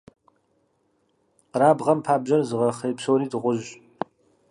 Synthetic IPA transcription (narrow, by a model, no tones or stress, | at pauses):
raːbʁɐmpʰaːbʑɐrzɨʁɐχejpsoːɾiːdɨʁʷʊʒ